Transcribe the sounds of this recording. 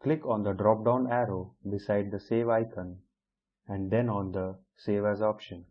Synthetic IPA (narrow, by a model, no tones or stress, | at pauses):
klɪkɔ̃nd̪əɖɾɔːp̚ɖãʊ̃næɾoːbɪsaɪɖ̚d̪əseːʋaɪkʰə̃n | ɛ̃ɳd̪ɛ̃nɔ̃ːnd̪ə | seːʋæzɔpʃə̃n